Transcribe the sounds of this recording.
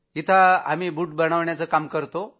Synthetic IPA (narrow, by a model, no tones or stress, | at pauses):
it̪ʰaamiːbuːʈ̚bəɽ̃aʋɳjat͡səkamkəɾt̪o